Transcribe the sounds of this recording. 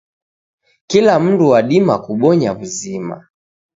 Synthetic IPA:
kilam̩nduwaɗimakuɓɔɲaβuzima̰

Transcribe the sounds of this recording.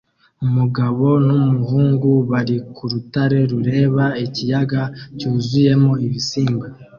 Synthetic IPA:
umuɡaβo̞numuɦuːŋɡuβaɾikuɾutaɾe̞ɾuɾe̞ːβaecijaɡacuːzuje̞mo̞iβisiːmba

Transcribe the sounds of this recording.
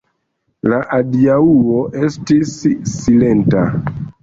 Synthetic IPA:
laʔadiauoʔestisːilenta̰

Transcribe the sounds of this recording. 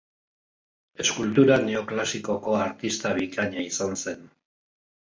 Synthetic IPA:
e̞skult̪uɾaneoklasiko̞ko̞aɾt̪ist̪aβikaɲaisanse̞n

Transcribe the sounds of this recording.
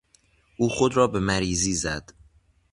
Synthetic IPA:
ʔuːxod̪ɾɒːbe̞mæɾiːziːzæd̪̥

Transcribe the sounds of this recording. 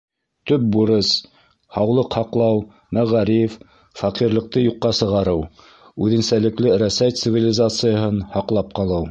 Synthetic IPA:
t̪ɵp̚buɾɤs | hɑwlˠɤqhɑqlˠɑw | mæʁæɾif | fɑqiɾlˠɤ̆q̚t̪ɤjuqːɑsɤ̆ʁɑɾɤw | ʉðɘ̆nsælɘ̆klɘɾæsæjt̪sɨvʲilʲɪzat̪sɨjəɦɤnhɑqlˠɑp̚qɑlˠɤw

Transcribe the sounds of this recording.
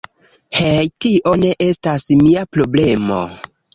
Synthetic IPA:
hejtiʔo̞ne̞ʔe̞stasmiapɾo̞ble̞mo̰

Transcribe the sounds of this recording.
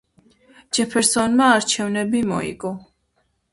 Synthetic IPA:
d͡ʒɛpʰɛɾsɔnmaːɾt͡ʃʰɛvnɛbimɔ̰ḭɡɔ

